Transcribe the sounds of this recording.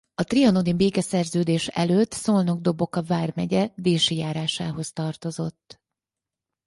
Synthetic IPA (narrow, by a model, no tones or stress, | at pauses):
ɒt̪riɒnod̪ibeːkɛsɛrzøːd̪eːʃɛ̰løːt̪ːsolno̞ɡ̚d̪o̞bo̞kɒvaːrmɛɟɛd̪eːʃijaːɾaːʃaːɦo̞st̪ɒrt̪o̞zo̞t̪ː